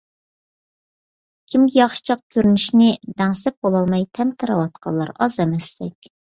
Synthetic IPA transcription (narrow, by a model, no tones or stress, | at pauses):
kʲʰimɡʲijɑχʃɨ̥t͡ʃʰɑq̚kʲʰøɾynyʃnɪd̪ɛŋsɛp̚bolˠɑlˠmɑjt̪ʰɛmt̪ʰɨɾɑwɑt̪̚qʰɑ̰lˠːɑ̰ɾɑzɛmɛst̪ɛkʲ